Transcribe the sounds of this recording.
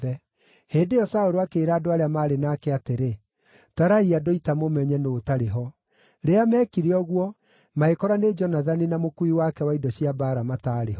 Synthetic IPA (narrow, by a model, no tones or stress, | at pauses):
ɛ | heːndejɔsaoɾoakeːɾaːdoaɾeamaːɾenaːkɛateɾe | taɾaiadoitamomɛɲɛnoːtaɾeɦɔ | ɾeamɛːkiɾeɔɣwɔ | maekɔɾaned͡ʒɔnaðaninamokuiwakɛwaidɔɕiabaːɾamataːɾeɦɔ